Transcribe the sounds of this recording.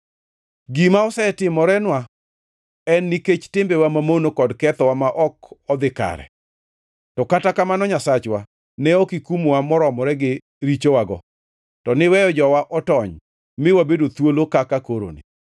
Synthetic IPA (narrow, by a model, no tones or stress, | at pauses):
ɡimaɔsɛtɪmɔɾɛnwa | ɛnːiket͡ʃtɪmbɛwamamonokɔdkɛt̪ɔwamaʔɔkɔd̪ɪka̰ɾɛ̰ | tɔkatakamanɔɲasat͡ʃwa | nɛɔkikumwamɔɾɔmɔɾɛɡɪ | ɾit͡ʃowaɡɔ | tɔnɪwɛjɔd͡ʒɔwaʔɔtɔɲ | mɪwabedot̪wolokakakoɾo̰nɪ̰